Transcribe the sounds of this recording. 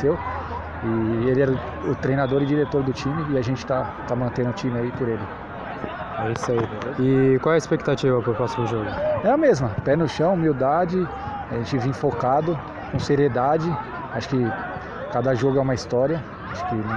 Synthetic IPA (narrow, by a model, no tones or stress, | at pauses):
sew | ɪelɪɛɾʊ | ʊt̪ɾejnad̪oɾɪd͡ʒiɾet̪oɾd̪ʊt͡ʃĩmɪːaʒẽnt͡ʃɪ̥t̪at̪amɐ̃nt̪ẽnʊt͡ʃĩmɪaipʊɾelɪ | ɛisaived̪ɪkwawɛɪspek̚t̪at͡ʃivɐpɾʊpɾɔsimʊʒoɡʊɛɐmezmɐpɛnʊʃɐ̃w̃miwd̪ad͡ʒɪ | aʒẽnt͡ʃɪvĩfokad̪ʊ | kõseɾied̪ad͡ʒɪ | aʃʊ̥kɪ | kad̪ɐʒoɡʊɛũmɐist̪ɔɾiɐ | aʃʊ̥kɪ̃